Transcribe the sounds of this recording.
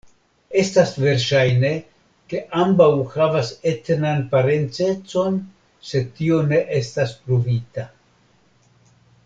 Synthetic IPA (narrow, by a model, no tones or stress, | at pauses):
e̞stasve̞ɾʃajne̞ | ke̞ʔambawhavase̞tnanpaɾe̞nt͡se̞t͡so̞n | se̞tio̞ne̞ʔestaspɾovita